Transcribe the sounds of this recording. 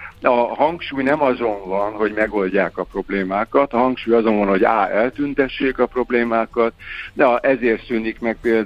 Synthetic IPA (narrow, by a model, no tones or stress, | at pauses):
ɒɦɒŋkʃuːjnɛmɒzo̞ɱvɒnɦo̞ɟmɛɡo̞lɟaːkɒpro̞bleːmaːkɒt̪ɒɦɒŋkʃuːjɒzo̞nvɒnho̞ɟa̰ːɛlt̪ynt̪ɛʃːeːkɒpro̞bleːmaːkɒt̪d̪ɛʔɛzeːrt̪synikmɛk̚peːl